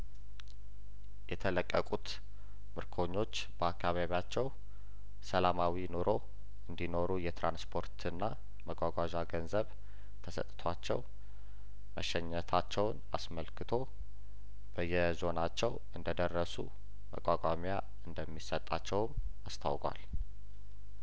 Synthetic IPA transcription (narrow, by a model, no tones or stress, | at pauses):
jɛt̪ʰələkʼːəkʼut̪ | mɨɾkʰo̞ɲːo̞t͡ʃːbəakʰːaβaβat͡ʃːɛw | səlamawino̞ɾʔo | ɨnd̪ino̞ɾujɛt̪ɾanspʰo̞ɾt̪ʰɨnːa | məɡʼʷaɡʷaʒaɡənzəβ | t̪ʰəsə̰t̪ʼːɨt̪ʰwat͡ʃːɛw | məʃɛɲːət̪ʰat͡ʃːɛwna̰sməlkʰɨt̪ʰo̞ | b̥əjːɛzo̞nat͡ʃːɛw | ɨnd̪əd̪ərːəsṵ | mə̰kʼakʼamja | ɨnd̪əmːisət̪ʼːat͡ʃːɛwm | ast̪ʰa̰wkʼwa̰l